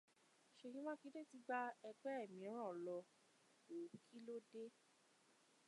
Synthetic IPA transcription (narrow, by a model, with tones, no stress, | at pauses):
ʃe˨˧˨ɲĩ˦mã˦ki˨˦de˦ti˨˦ɡ͡ba˦ɛ˧ɡ͡bɛ˦ɛ˦˨mĩ˨ɔ̃˦ɾ̃ã˦˨lɔ˧ | o˨kʰi˦lo˦de˦